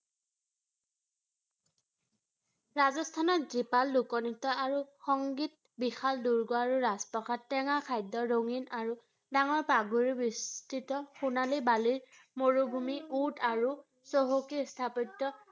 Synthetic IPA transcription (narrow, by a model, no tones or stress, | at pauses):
ɹazɔstʰanɔtzipalːukɔnitɔaɹuxɔŋɡit̚ | bixalduɹɡoaɹuɹaspɔxʰatːɛŋakʰajdɔɹoŋinaɹu | daŋɔɹpaɡuɹibistʰitɔxunalibaliɹ | moɹubʱumiutaɹu | soɦokistʰapitːɔ